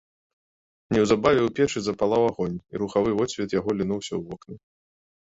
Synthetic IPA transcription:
nʲɛwzabavʲɛwpʲɛt͡ʂɨzɐpalˠawaɣɔnʲḭɾuxavɨvɔsʲvʲɛt̪jaɣɔlʲinuwsʲɐ̰wvɔknɨ

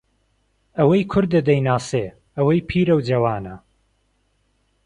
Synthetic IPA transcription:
ɐwɐjkʰʊɾd̪ːɐd̪ɐjnaːseː | ɐwɐjpʰiːɾɐwd͡ʒɐwaːnɐ

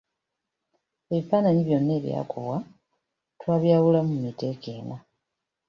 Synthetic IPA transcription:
e̞βifaːnaɲiβjo̞nːe̞ːβja̰ːkʰuβwa | twaːβjaːwulamumite̞ːke̞ːna

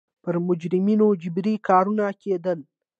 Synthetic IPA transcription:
pəɾmʊd͡ʒɾɪminod͡ʒɪbɾikɑɾunakʰed̪əl

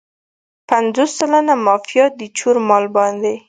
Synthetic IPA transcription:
panzosːəlanamɑfijɑt̪̚d̪ət͡ʃuɾmɑlbɑnd̪e

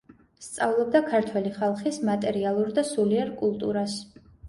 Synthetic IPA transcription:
st̪sʼavlˠɔb̚d̪akʰaɾt̪ʰwɛliχalˠχismat̪ʼɛɾialˠuɾd̪asuliaɾkʼulˠt̪ʼuɾas

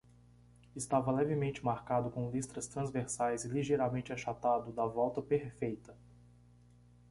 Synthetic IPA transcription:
ɪst̪avɐlɛvɪmẽnt͡ʃɪmaɾkad̪ʊkõw̃list̪ɾɐst̪ɾɐ̃zveɾsajzɪliʒejɾamẽnt͡ʃɪaʃat̪ad̪ʊd̪ɐvɔwt̪ɐpeɾfejt̪ɐ

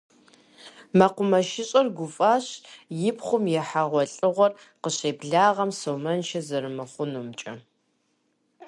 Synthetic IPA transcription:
mɐqʷʊmɐʃɪɕʼɐrɡʷʊfʼaːɕjɪpχʷʊmjɛħaʁʷɔɬʼɨʁʷɔr | qəɕeːbɮaːʁɐmsowmɐnʃɐzɐɾɨmɨχʷʊnuːmt͡ʃʼɐ

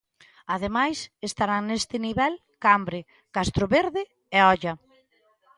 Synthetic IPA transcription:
að̞emajsest̪aɾaŋnest̪ɪniβɛl | kambɾɪ | kast̪ɾʊβeɾðɪ | ɛɔʎɐ

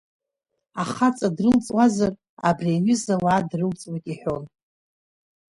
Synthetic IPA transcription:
aχat͡sʼadrɨlt͡sʼwazar | a̰briaɥʏzawaːdrɨlt͡sʼwatʼiħʷᶣo̞n

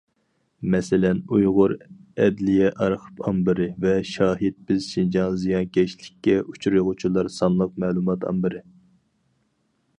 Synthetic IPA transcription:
mɛsɪlɛnujʁʊɾɛd̪lijɛʔɑɾqʰə̥pʰɑmbɨɾɨvɛʃɑːɦɪd̪̚bɪzʃind͡ʒɑnzijɑnkʲɛʃlɪkʲːɛʔut͡ʃʰuɾɨjʁʊt͡ʃʰilˠɑɾsɑnlˠəq̚mɛːlˠumɑt̪ʰɑ̰mbɨɾɪ

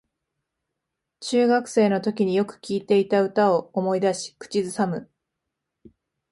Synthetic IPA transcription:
t͡ɕɨːɡakɯ̟̥se̞ːno̞t̪o̞kʲiɲ̟ijo̞kɯ̟̥kʲiːt̪e̞it̪aɯ̟t̪ao̞omo̞id̪aɕi̥kɯ̥t͡ɕizɨsamɯ̟

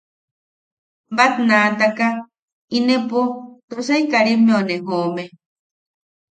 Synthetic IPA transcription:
bat̪nat̪aka | inepot̪osaikaɾimeoneɦome

